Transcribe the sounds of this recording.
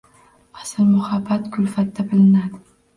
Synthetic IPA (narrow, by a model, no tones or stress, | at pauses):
asɪɾmʊhabːat̪kʰʊlfat̪ːabɪlɪnad̪ɪ